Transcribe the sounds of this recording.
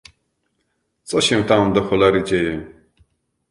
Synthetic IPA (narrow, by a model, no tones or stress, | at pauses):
t͡sʼɔɕɛ̃wt̪amd̪ɔxɔlaɾid͡ʑɛjɛ